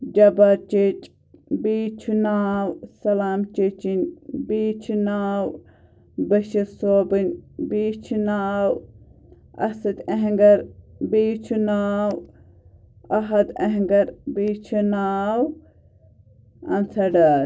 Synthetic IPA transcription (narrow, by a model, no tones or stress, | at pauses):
d͡ʒɐbɐɾt͡ʃit͡ʃʼ | biːt͡ʃʰunaːwsɐlaːmt͡ʃit͡ʃinʲbiːt͡ʃʰinaːw | bɐʃisoːbɨnʲbiːt͡ʃʰinaːw | ɐ̰sɐt̪ɐɦŋɡɐɾbiːt͡ʃʰunaːw | ɐɦɐd̪ɐɦŋɡɐɾbiːt͡ʃʰunaːw | ɐ̰nt͡sʰɐɖɐɾ